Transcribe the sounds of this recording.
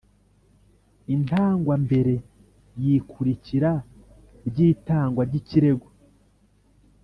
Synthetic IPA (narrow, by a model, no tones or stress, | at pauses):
intaːŋɡwambe̞ɾe̞ | jikʰuɾiciɾa | ɾɟiːtaːŋɡwaɾɟiciɾe̞ɡo